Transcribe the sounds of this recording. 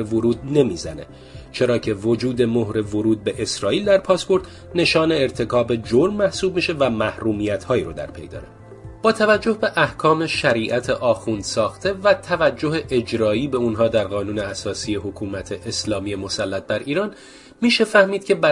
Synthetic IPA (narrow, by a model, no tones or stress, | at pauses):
evoɾuːd̪̚ne̞miːzænḛ | t͡ʃʰe̞ɾɒːcʰe̞vo̞d͡ʒuːd̪e̞mohɾe̞voɾuːd̪̚be̞ʔesɾɒːʔiːld̪æɾpʰɒːspo̞ɾd̪ | ne̞ʃɒːne̞ːɾt̪ʰe̞kʰɒːbe̞d͡ʒo̞ɾmːæhsuːb̚miːʃe̞væmæhɾuːmiːjæt̪ʰhɒːiːɾod̪æ̰ɾpʰe̞̰jd̪ɒ̰ːɾe | b̥ɒːt̪ʰævæd͡ʒːo̞hbe̞ʔæhkʰɒːme̞ʃæɾiːʔæt̪ʰeʔɒːxund̪̥sɒːxt̪ʰe̞væt̪ʰævæd͡ʒːo̞ɦeʔed͡ʒɾɒːiːbe̞unɦɒːd̪æɾɣɒːnuːne̞æsɒːsiːe̞ɦokʰuːmæt̪ʰe̞ʔeslɒːmije̞mo̞sælːæt̪̚bæɾiːɾɒːn | miːʃe̞fæhmiːd̪̚cʰe̞bæ